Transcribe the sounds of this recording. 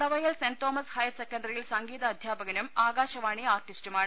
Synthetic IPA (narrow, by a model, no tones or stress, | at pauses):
ɽɐʋɐjɐlsent̪oːmɐshɐjɐsekːɐɳɖɐrijilsɐŋɡiːðɐːd̪ʱjaːbɐɣɐnumaːɡaːɕɐʋaːɳiaːrʈistumaːɳ